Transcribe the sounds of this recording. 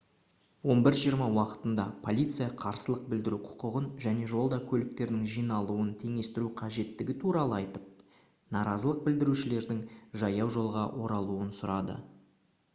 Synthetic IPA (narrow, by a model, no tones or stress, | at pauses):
wo̞nbɪɾʒijəɾmɑwɑqə̥t̪ənd̪ɑpʰo̞lʲijt̪sɨjɑqʰɑɾsəlˠəq̚bɪld̪ɪɾuqʰʊ̥qəʁənʒæne̞ʒo̞lˠd̪ɑkʲʰɵlɪk̚t̪e̞ɾd̪ɪŋʒijnɑlˠuənt̪ʰe̞ŋe̞st̪ɪɾuqʰɑʒe̞t̪ːɪɡʲɪt̪ʰuɾɑlˠəɑjt̪əp̚ | nɑɾɑzəlˠəq̚bɪld̪ɪɾuʃɪle̞ɾd̪ɪŋʒɑjɑwʒo̞lˠʁɑʔo̞ɾɑlˠuənsʊɾɑd̪ə̰